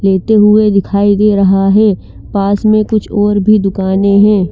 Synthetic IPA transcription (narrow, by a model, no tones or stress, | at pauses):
leːt̪eɦʊed̪ɪkʰaːid̪eːɾɐɦaɦɛː | paːsmẽkʊt͡ʃʰɔːɾbʱid̪ʊkaːnẽɦɛ̃ː